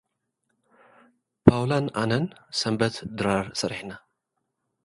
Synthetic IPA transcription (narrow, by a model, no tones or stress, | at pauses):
pʰawlanʔanɐnsɐmbɐt̪d̪ɨɾaɾsɐɾiħna